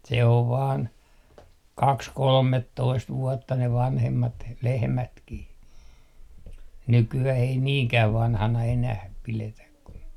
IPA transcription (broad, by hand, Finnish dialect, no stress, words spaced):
se oʋ ʋɑːn kɑks kolmetːoist ʋuɔtːɑ ne ʋɑnhemːɑt lehmætkih nykyæh ei niːŋkæʋ ʋɑnhɑnɑ enæh piletæk ku